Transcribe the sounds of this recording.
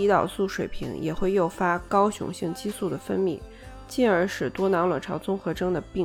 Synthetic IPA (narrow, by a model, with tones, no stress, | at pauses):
i˧˥t̪ɑ˨˩ʊsu˥˩ʂwe˨˩ɪpʰḭ˧˥ŋjɛ̰˨˩xwe˥˧ɪjo˥˩ʊfa˥kɑ˥ʊɕjʊ̰˧˥ŋɕi˥˧ŋt͡ɕi˥su˥˩d̪ə˩fə˥nmḭ˥˩ | t͡ɕi˥˩nə˞˧˥ʂɻ̩˨˩t̪wɔ˥nɑ˧˥lwə˨˩ʈ͡ʂʰɑ˧˥ʊt͡sʊ˥ŋxɤ˧˥ʈ͡ʂɤ˥ŋd̪ə˨pi˥˧